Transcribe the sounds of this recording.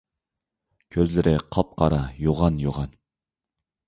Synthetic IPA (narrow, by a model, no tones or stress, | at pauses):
kʲʰøzlɪɾʔɪqʰɑp̚qʰɑɾɑjoʁɑnjoʁɑn